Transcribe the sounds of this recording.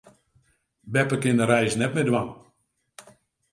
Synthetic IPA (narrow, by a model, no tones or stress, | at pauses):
bɛpəkɪndəɾɛjsnɛt̚mɪdwaŋ